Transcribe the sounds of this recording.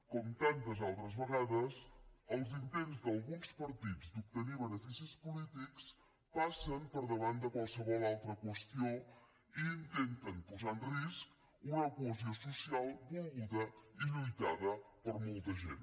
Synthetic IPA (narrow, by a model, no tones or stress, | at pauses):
kɔmt̪ant̪əzalˠt̪ɾəzβəɣaðəsəlˠzint̪enzd̪əlˠɣunspəɾt̪id͡zd̪up̚t̪əniβənəfisispulit̪iks | pasəmpəɾðəβand̪əkwalˠsəβɔlalˠt̪ɾəkwəst̪io | iːnt̪ent̪ənpuzanrisk | unəkuəziosusialˠb̪ulˠɣuðəiʎujt̪aðəpəɾmolˠt̪əʒḛn